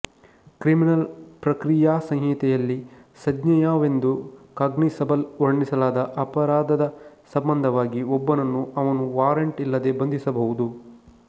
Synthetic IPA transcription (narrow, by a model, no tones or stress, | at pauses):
kɾiminɐlpɾɐkɾijaːsɐ̃ŋɦit̪ɛjɐlːisɐd̪ɲɐjaːʋe̞nd̪ukaːɡɳisɐbɐlʋɐɾɳisɐlaːd̪ɐʔɐpɐɾaːd̪ɐd̪ɐsɐmbɐnd̪ʱɐʋaːɡiɔbːɐnɐnːuɐʋɐnuʋaːɾeɳʈilːɐd̪e̞bɐnd̪ʱisɐbɐɦud̪u